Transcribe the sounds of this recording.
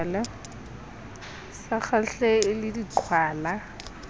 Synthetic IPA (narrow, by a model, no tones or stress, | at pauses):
lɛ | saχaɬɛɪlɪdiǃʰwaːla